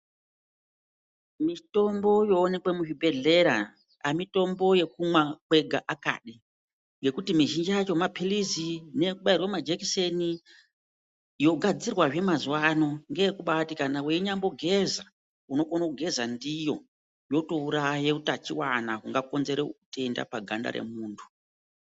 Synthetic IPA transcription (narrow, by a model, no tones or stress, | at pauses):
mito̞mbo̞jo̞ːne̞kwe̞muʐibʱe̞ɮe̞ɾa | amito̞mbo̞je̞kumwakwe̞ɡʱa̰ʔaka̰ːɗi | ŋɡe̞kutimiʒind͡ʒiat͡ʃo̞mapʰilizine̞jkuɓairwamad͡ʒekiseni | jo̞ɡʱad͡zirwaʐe̞mazuwano̞ŋɡejekuɓatikanaweɲambo̞ɡʱe̞za | uno̞konokuɡʱe̞zandijo̞ | jo̞to̞uɾajekutat͡ʃiwanakuŋɡako̞nze̞ɾeute̞nda̰paɡʱanda̰ɾe̞̰muːntʰu̥